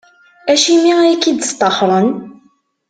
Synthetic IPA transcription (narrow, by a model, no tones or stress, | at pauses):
æʃimiikːid̪st̪ˤːɑχɾˤən